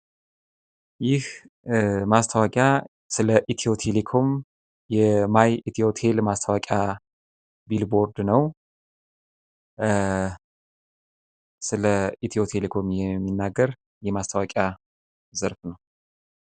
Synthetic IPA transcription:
jɪh | mast̪ʰəwakʼja | sɨləʔit̪ʰio̞t̪ʰelekʰo̞m | jɛmajit̪ʰio̞t̪ʰe̞lmast̪ʰəwakʼa | bilbo̞ɾd̪nəw | sɨləit̪ʰio̞t̪ʰelekʰo̞mjɛmːinːaɡːəɾ | jɛmast̪ʰəwakʼja | zəɾfnəw

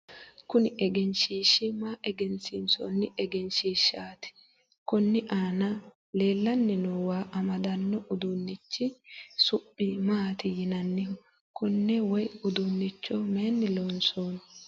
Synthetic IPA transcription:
kʊnɪʔɛɡɛnʃiːʃːɪmaːʔɛɡɛnsɪnsɔ̰nːɪʔɛɡɛnʃiːʃːaːt̪ɪ̥ | kʊnːɪʔaːnɐ | le̞ːlːɐnːɪnowaːʔɐmɐd̪ɐnːɔʔʊd̪ʊnːɪt͡ʃːɪsʊpʼːɪmaːt̪ɪjɪnɐnːɛ | kʊnːɛwɔjʊd̪ʊnːɪt͡ʃːɔmeːnːɪloːnsoːn

